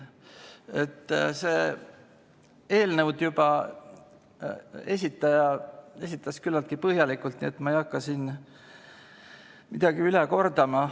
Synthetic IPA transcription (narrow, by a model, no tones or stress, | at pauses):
e̞t̪ːˑse̞ː | e̞ːlnəwd̪̥jubɑ | e̞sʲit̪ːˑɑjɑe̞sit̪ˑːɑskylːɑlt̪kipɤɦjɑlikːˑult̪nie̞t̪ːmɑejɑkːɑsin | mid̪̥ɑɡ̥iyleko̞rd̪̥ɑmɑ